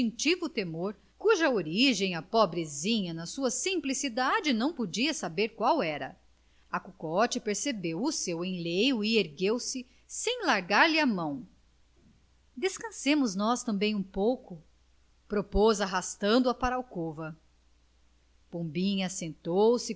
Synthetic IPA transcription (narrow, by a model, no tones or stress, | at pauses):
ĩt͡ʃivʊt̪emoɾ | kuʒɐoɾiʒẽj̃ɐpobɾezĩɲɐnɐsuɐsĩmplisid̪ad͡ʒɪnɐ̃w̃pod͡ʒiɐsabeɾkwawɛɾɐ | ɐkukɔt͡ʃɪpeɾsebewʊsewẽj̃lejʊɪeɾɡewsɪ | sẽj̃laɾɡaɾlɪɐmɐ̃w̃ | d̪eskɐ̃sẽmʊznɔst̪ɐ̃mbẽj̃ũpowkʊ | pɾopozaɦast̪ɐ̃nd̪ʊɐpaɾawkovɐ | põbĩɲɐsẽnt̪owsɪ